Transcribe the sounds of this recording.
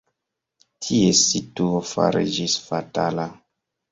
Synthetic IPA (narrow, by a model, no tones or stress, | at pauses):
tʰiesituofa̰ɾḭd͡ʒisfatala